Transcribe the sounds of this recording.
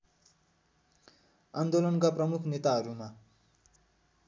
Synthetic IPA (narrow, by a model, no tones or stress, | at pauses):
and̪olʌnkaprʌmukʰnet̪aɦʌɾuma